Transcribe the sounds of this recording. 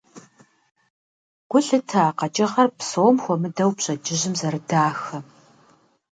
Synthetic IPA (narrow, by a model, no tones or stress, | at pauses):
ɡ̥ʷʊɬɨtʰaqɐt͡ʃʼɐʁɐrpsoːmxʷɔmɨdɐwpɕʼɐd͡ʒɪʑɪmzɐrɨdaːxɐ